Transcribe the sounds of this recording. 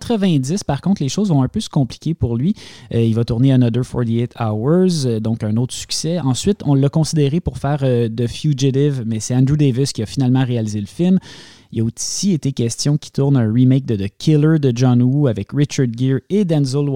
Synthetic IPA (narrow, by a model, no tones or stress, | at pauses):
t̪χəvɛ̃d͡z̪ɪspaʁkɔ̃t̪leʃozvɔ̃ɛ̃pøsə̥kɔ̃pli̥kʲepuʁlɥiəilvat̪uʁneanɔd̪ə˞fɔ̰ɹt̪iet̪ʰawə˞zd̪ɔ̃kɛ̃noʊt̪χə̥sy̥ksɛɑ̃sɥɪt̪ɔ̃lːakɔ̃sid̪eʁepʊʁfɛːʁød̪əfjuʒɪt̪ɪvmɛsɛɑ̃nd̪ʁud̪evɪskʲiafinalmɑ̃ʁealizeləfɪlm | iljaosiet̪ekʲɛst͡s̪jɔ̃kʲi̥t̪uʁnɛ̃ʁimɛk̚d̪əd̪əkʲʰɪlə˞d̪əʒɑ̃nuavɛkɹɪt͡ʃaɹd̪ɡʲɪɹed̪ɛ̃nzəl